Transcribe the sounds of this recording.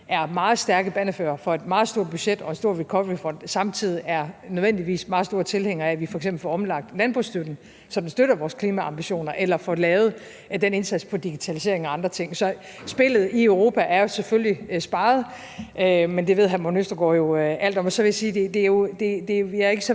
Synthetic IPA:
ʔæɐmɑ̈ːð̞̩ˠsd̥æɐɡ̥əb̥ænəfø̰ːɐfɒ̽e̝d̥mɑ̈ːð̞̩ˠsd̥o̝ɐ̰d̚b̥yɕed̥ɒ̽e̝nso̝ɐ̰ʋilkʰɒ̽ʋʁifɒ̽n̰d̥sɑ̈mt͡sʰið̞̰ˠiæɐnøðˠʋen̰d̥iʋḭːsmɑ̈ːð̩ˠsd̥o̝ːɐt͡sʰe̝lheŋɐæʋifɒ̽eɡsemb̥l̩fɒɒ̽mlɑ̈ɡ̥̚d̥lænb̥ʁusd̥ød̥n̩ | sɒ̽d̥ensd̥øɾ̥ɐʋɒːskʰliːmæɑ̈mb̥iɕo̝̰ːnɐʔelɐfɒ̽lɛːʊð̩ˠ | d̥ene̝nsæd̥spʰɒ̽d̥iɡ̥it͡sʰælise̝ɐeŋæɑ̈nd̥ʁɐt͡sʰe̝ŋ̰sɒ̽ | sb̥e̝lð̞̩ˠiøʊʁo̝ːpʰæʔæɐjo̝seføllisb̥ɑ̈ːð̞̩ˠ | ʔømend̥e̝ʋe̝ð̰ˠɦæmonøsd̥ɐɡ̥ɒ̰ːjo̝ʔæl̰d̥ɒ̽mɒsɒ̽ʋe̝jæsiːd̥e̝d̥e̝jo̝d̥e̝d̥e̝ʋæɐe̝ɡ̥əsɒ

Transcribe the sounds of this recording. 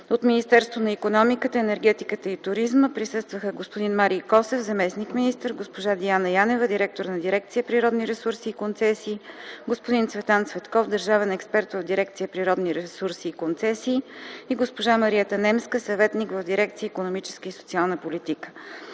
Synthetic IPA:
ot̪minist̪ɛɾst̪vonɐikonɔmikət̪əɛnɛɾɡ̟ɛt̪ikət̪əit̪ʊɾizməpɾisɤst̪vəxəɡospod̪inmaɾijkɔsɛfzɐmɛsnikminist̪əɾɡospoʒad̪ianəjanɛvəd̪iɾɛk̚t̪oɾnɐd̪iɾɛk̚t̪sijəpɾiɾɔd̪niɾɛsuɾsiːkont̪sɛsiːɡospod̪int̪svɛt̪ant̪svɛt̪kɔfd̪əɾʒavɛnɛkspɛɾt̪vovd̪iɾɛk̚t̪sijəpɾiɾɔd̪niɾɛsuɾsiːkont̪sɛsiːiɡospoʒaməɾiɛt̪ənɛmskəsɐvɛt̪nikvəvd̪iɾɛkt̪sijəikonomit͡ʃɛ̥skəisot̪ialˠnəpolit̪ikə̥

